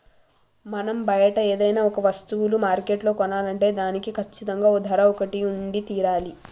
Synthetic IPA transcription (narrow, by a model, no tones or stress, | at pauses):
mɐnɐmbɐjɐʈɐeːd̪ɐjnaːɔkɐʋɐst̪uwulumaːɾke̞ːʈlo̞ːkɔnaːlɐɳʈe̞ːd̪aːnikikʰɐt͡ʃːit̪ɐŋɡaːoːd̪ʱɐɾɐːɔkɐʈiuɳɖit̪iːɾaːli